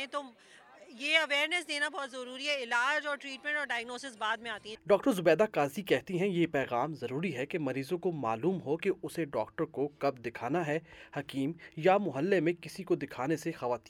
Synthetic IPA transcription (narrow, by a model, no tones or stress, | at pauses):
ɛ̃t̪o | jeːɐʋeːɾnɛsd̪eːnabɔːt̪zɐɾuːɾiɦɛɪlaːd͡ʒɔːɾʈɾiːʈmɛ̃ɳʈɔːɾɖaːjəɡnoːsɪsbaːd̪̚mẽaːt̪iɦɛ̃ɖɔːk̚ʈəɾzʊbɛːd̪akaːzikɛɦt̪iɦɛ̃jepɛːɣaːmzɐɾuːɾiɦɛkemɐɾiːzõkoma̰ːluːmɦokeʊseɖɔ̰ːk̚ʈəɾkokɐb̚d̪ɪkʰaːnaɦɛhɐkiːmjamʊɦəlːemẽkɪsikod̪ɪkʰaːnesexɐʋaːt̪ĩ̥ː